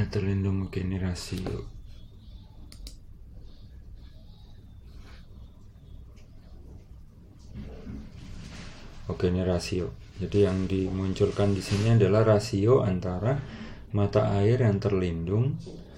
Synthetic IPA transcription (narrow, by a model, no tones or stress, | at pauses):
t̪ərlindʊŋokenirasio̰ | okeniɾasiod͡ʒadijaŋdimuɲt͡ʃʊlkandisiniadalahrasioʔant̪aɾa | mat̪aʔaɪrjaŋt̪ərlindʊŋ